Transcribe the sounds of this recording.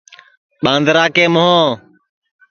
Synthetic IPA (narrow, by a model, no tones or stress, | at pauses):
ɓãːnd̪ɾaːkeːmʊɦõː